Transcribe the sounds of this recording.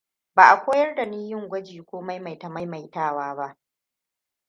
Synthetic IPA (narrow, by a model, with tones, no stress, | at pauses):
baː˨ʔa˨kʷoː˦jɐ˦rda˨niː˦jɪ˦ŋɡʷɐ˦d͡ʒiː˨kʷoː˦ma˦jma˨jtɐ˨mɐ˦jma˨jtaː˦˨waː˦ba˦ʔ